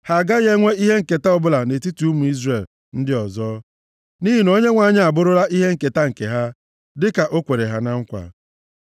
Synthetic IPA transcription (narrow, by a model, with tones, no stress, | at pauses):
ha˨ɡa˦ɣe˦ŋʷe˦i˦ɦe˦ŋ̩˨ke˨ta˦ɔ˦bʊ˦la˨ne˨ti˦tu˨u˦mu˨i˦zre˨l | n̩˦dɪ˦ɔ˨zɔː˦ | ni˦ɦi˨no˦ɲe˦ŋʷa˨ɲɪ˦a˨bʊ˦ɾʊ˦ɾa˦ʔi˦ɦe˦ŋ̩˨ke˨ta˦ŋ̩˨kḛ˨ɦa˦ | dɪ˦ka˨ʔo˦kʷe˨ɾe˨ɦa˦na˦ŋ̩˦kʷa̰˨